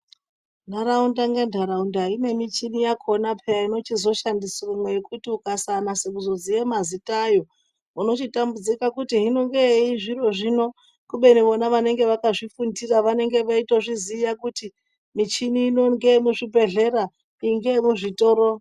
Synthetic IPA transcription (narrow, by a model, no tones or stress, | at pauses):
ndaɾaundaŋɡendʱaɾaundaine̞mit͡ʃinijakʰo̞napʰejaino̞t͡ʃizo̞ʃandisirumwejekutiukasanasekuzo̞d͡zijemazitʼajo̞ | uno̞t͡ʃitambud͡zikakutiɦino̞ŋɡeiʐiro̞ʐino̞ | kuɓe̞niʋo̞naʋane̞ŋɡe̞ʋakaʐifundiraʋane̞ŋɡe̞ʋaitoʐizijakuti | mit͡ʃiniːno̞ŋɡemuʐibʱe̞ɮe̞ra | iŋɡemuʐito̞ɾo